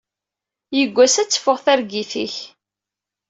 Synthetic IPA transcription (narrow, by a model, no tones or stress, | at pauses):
jəɡʷːæsæt͡sːə̥fʊʁθæɾɡiθiç